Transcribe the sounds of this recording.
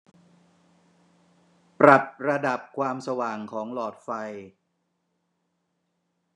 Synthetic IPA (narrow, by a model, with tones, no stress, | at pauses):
pɾa˨˩t̪̚ɾa˧da˨˩p̚kʰwaː˧msa˧waː˨˩ŋkʰɔː˩˦ŋlɔː˨˩t̪̚fa˧j